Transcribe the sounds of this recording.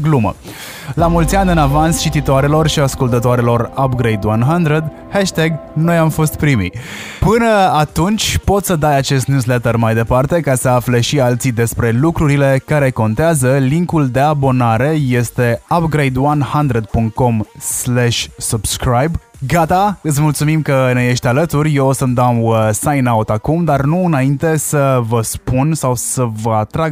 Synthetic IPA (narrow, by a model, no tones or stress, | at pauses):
ɡlumə̰ | lamult̪sʲianʲɨnavanst͡ʃit̪it̪oaɾelo̞rʃiaskult̪ət̪oaɾelo̞rapɡɾejd̪wanɦand̪ɾed̪ | heʃt̪eɡno̞jamfo̞st̪pɾimḭ | pɨnəat̪unt͡ʃʲpo̞t̪səd̪ajat͡ʃe̞st̪njuslet̪ərmajd̪e̞part̪e̞kasəafle̞ʃialt̪sid̪e̞spɾe̞lukɾuɾile̞kaɾe̞ko̞nt̪eazəliŋkuld̪e̞abo̞naɾe̞je̞st̪e̞apɡɾejd̪wanhand̪ɾed̪̚puŋkt̪̚ko̞mslɛʃʲsub̥skɾajb | ɡat̪aɨt̪smult̪sumimkəneje̞ʃt̪ʲalət̪urʲjeosəmd̪awəsajnaut̪akumd̪arnuɨnaint̪e̞səvəspunsawsəvəat̪ɾa